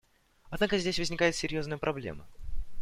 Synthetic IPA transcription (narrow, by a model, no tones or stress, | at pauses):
ɐd̪nakəzʲdʲesʲvəzʲnʲɪkajɪt̪sʲɪɾʲjoznəjəpɾʔɐblʲḛmə